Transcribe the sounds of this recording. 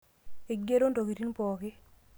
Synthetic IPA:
e˨ɡe˦ɾo˦nto˨ki˨ti˦npɔː˨kɪ˦

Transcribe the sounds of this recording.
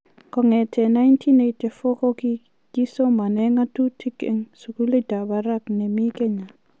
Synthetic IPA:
kɔ˨ŋɛ˨tʰɛ˨na˦jntʰi˦nete˨fo˦kɔ˦ki˦ | ki˦so˦ma˨nɛ˦ŋa˦tu˦tʰi˦kɛ̰˧˨ŋsu˨ku˦li˦d̥a˨ba˨ɾa˦knɛ˨mi˦kɛ˦ɲa˨

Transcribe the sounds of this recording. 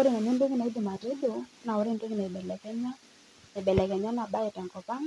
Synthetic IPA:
o˦ɾi˦˨na˨ni˦ndo˦ki˦na˨i˦di˨ma˨tɛ˦do˨na˨o˨ɾe˦˨ndwe˦ŋi˦na˨i˨ɓɛ˨lɛ˨kɛ˦ɲa˦ | nɛ˨ɓɛ˨lɛ˨kɛ˨ɲa˦na˨ɓa˦ɛ˨tɛ˨ŋkɔ˨pa˦ŋ

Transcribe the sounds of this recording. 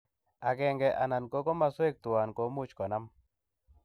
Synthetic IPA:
a˨ɡɛ˨ŋɡɛ˨ʔa˨na˨nko˦ɡɔ˦ma˨˦swe˦k̚t̪ʊ˨wa˨nko˨mʊ˦t͡ʃkɔ˨na˦m

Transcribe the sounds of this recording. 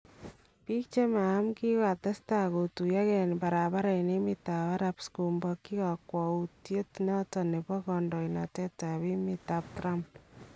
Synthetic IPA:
pi˦k̚t͡ʃe˦maː˨˦mki˦ka˨tɛ˦sta˨ko˨tu˨ja˦kɛ˨npa˨ɾa˨ba˦ɾa˨ine˦mɪta˨βa˦ɾapsku˨mbɔ˧kːi˦ka˨kwɔ˨utje˦tnɔ˦tɔ˨ne˨bɔ˦kɔ˨ndɔ˨jna˨tɛ˦ta˨βi˦mɪta˨p̚tɾa˦mp̚

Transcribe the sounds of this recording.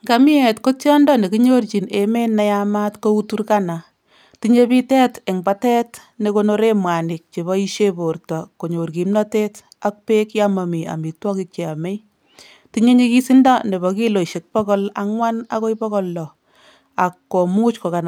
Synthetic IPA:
ŋɡa˦mi˦ɛ˨tko˦tjɔ˦ndɔ˦ne˨kiɲo˦rt͡ʃi˨neme˦nːa˦ja˦ma˦tko˦u˦tu˦rka˦na˨ | tiɲe˦bi˦tɛ˦te˨ŋba˨tɛ˦t | ne˦ko˦no˦ɾe˦mwa˨nɪ˨k̚t͡ʃe˨βɔ˦i˦ʃe˦bo˨rtɔ˨ko˨ɲo˨rki˨mnɔ˦te˦t | a˦k̚pe˦kja˦ma˨mi˨a̰˨mi˨twɔ˦ki˦k̚t͡ʃe˨a˨me˦j | ti˦ɲe˦ɲi˦ki˦si˦ndɔ˦ne˨bɔ˨ki˦lo˨ʃe˨k̚pɔ˦kɔ˦laŋwa˦na̰˦ko˦jbɔ˦kɔ˦lːɔ˨ | a˨kːo˨mu˦t͡ʃko˨ka˨na˨

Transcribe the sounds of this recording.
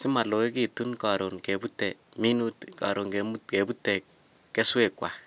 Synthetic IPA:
sɪ˦ma˨lo˨e˦ki˨tu˦nka˨ɾo˨nke˨bu˦tɛ˨mi˦nu˦tka̰˨ɾo˨ŋke˨mu˦tke˨bu˦tɛ˨k | kːɛ˦swe˨kwa̰˨

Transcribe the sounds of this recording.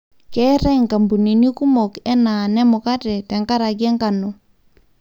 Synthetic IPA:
kɛ˦ɾɛ˦˨ŋka˨mbu˨ni˨ni˦ku˦mɔ˨kɛ˦na˨nɛ˦mʊ˨ka˦tɛ˨tɛ˨ŋka˦ɾa˨k̬ɛ˦ŋka˨no˨

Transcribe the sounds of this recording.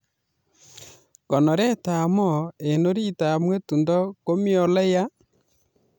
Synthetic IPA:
kɔ˨nɔ˨ɾɛ˦ta˨mɔ˦˨e˨no˦ɾi˦ta˨mwe˦tu˨ndɔ˦ko˦mi˦ɔ˨lɛ˦ja˦

